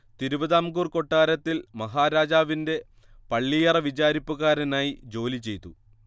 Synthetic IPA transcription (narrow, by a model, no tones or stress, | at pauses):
t̪iɾuʋɐðaːmɡuːrko̞ʈːaːɾɐt̪ːilmɐɦaːɾaːd͡ʑaːʋinde̞ | pɐɭːijɐrɐʋid͡ʑaːɾipːuɣaːɾɐnaːjid͡ʑo̞ːlit͡ɕe̞jt̪ːu